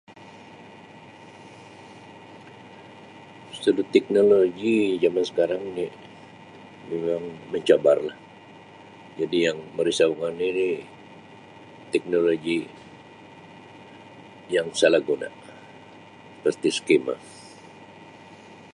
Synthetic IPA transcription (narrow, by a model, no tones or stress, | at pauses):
st̪udut̪ɛk̚noloɡid͡ʒamansə̥kaɾaŋni | memaŋməɲt͡ʃaba̰rlah | d͡ʒadijaŋməɾisaŋanini | t̪ɛk̚noloɡi | jaŋsalahɡona̰ | pərt̪isə̥kema̰